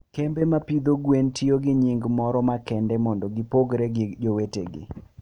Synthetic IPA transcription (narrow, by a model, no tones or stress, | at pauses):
kembemapid̪oɡwentʰioɡɪɲɪŋɡmɔɾɔmakɛndɛmɔndɔɡɪpoɡɾeɡɪd͡ʒoweteɡɪ̰